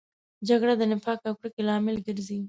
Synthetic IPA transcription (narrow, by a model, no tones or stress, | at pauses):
d͡ʒaɡɽad̪ənɪfɑkakɽekelɑmɪlɡɪɾzi